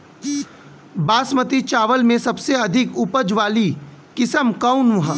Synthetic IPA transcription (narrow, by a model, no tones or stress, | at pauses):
baːsmət̪it͡ʃaːʋəlmẽsɐbseɐd̪ʱɪkʊpəd͡ʒʋaːlikɪsəmkaʊnʋɐɦã